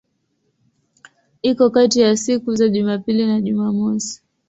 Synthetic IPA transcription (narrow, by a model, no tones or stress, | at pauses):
ikɔkatijasikuzaʄumapilinaʄumamɔsi̥